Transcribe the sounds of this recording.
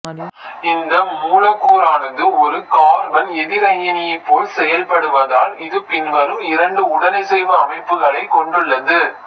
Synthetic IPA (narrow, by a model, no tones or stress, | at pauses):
ɪnd̪ɐmuːlɐkːuːɾaːnɐðɯɔɾɯkaːɾʋɐnɛðɪɾɐjɐnɪjɐɪpːoːlsɛjɐlpɐɽɯʋɐðaːlɪðɯpɪnʋɐɾɯmɪɾɐɳɖɯʊɽɐnɐɪsɛjʋɐːmɐɪpːɯɣɐɭɐɪkɔɳɖɯɭːɐðɯ